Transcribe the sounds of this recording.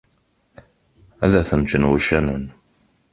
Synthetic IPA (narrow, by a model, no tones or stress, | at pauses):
æðæθəmt͡ʃənwəʃænən